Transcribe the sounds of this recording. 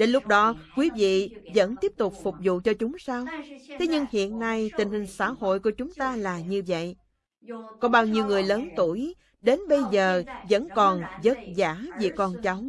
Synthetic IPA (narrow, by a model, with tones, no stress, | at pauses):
ɗe˨˦nlʊ˦˥k͡p̚ɗɔ˨˦kwi˨˦vḭ˧˨zə̰˧˥nt̪i˦˥əp̚t̪ʊ˨˩k͡p̚fʊ˨˩k͡p̚zṵ˧˨t͡ɕɔ˧t͡ɕʊ˨˦ŋ͡msaː˧wt̪ʰe˨˦ɲɨ˧ŋhḭ˧˨ənːa˧jt̪ï˨˩ŋ̟hï˨˩ŋ̟sa̰ː˧˥ho̰˧˨jku˧˩ət͡ɕʊ˨˦ŋ͡mt̪aː˧laː˨˩ɲɨ˧və̰˧˨jʔ | kɔ˨˦ɓaː˧wɲi˧əwŋɨ˨˩əjləː˨˦nt̪u˧˩əj | ɗe˨˦nɓə˧jzəː˨˩zə̰˧˥nkɔ˨˩nzə˦˥t̚zaː˧˩˥vḭ˧˨kɔ˧˩nt͡ɕɔ˨˦wŋ͡m